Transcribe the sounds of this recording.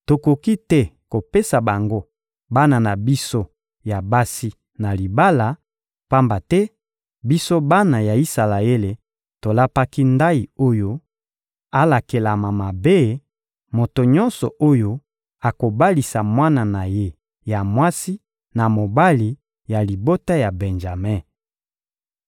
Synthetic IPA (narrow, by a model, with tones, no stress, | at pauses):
to˨ko˨ki˦tɛ˦ko˨pe˦sa˨ba˨ŋɡo˦ | ba˦na˨na˨bi˦so˦ | ja˨ba˦si˦ | na˨li˨ba˦la˨ | pa˦mba˨tɛ˦ | bi˦so˦ba˦na˨ja˨i˦sa˨la˨e˦le˨ | to˨la˦pa˦ki˦nda˦i˨o˦jo˦ | a˦la˨ke˨la˨ma˨ma˨be˦ | mo˨to˨ɲɔ̃˦nsɔ̰˨ʔo˦jo˦ | a˨ko˨ba˦li˨sa˨mwa˦na˨na˨je˦ | ja˨mwa˦si˦ | na˨mo˨ba˦li˨ | ja˨li˨bo˦ta˦ja˨bɛ˨nʒa˨mɛ˦˨